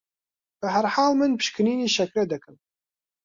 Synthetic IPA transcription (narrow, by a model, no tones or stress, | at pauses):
bɛɦæɾħaːlmɨnpɨ̥ʃkɨniːniʃɛkɾɛd̪ɨkɨm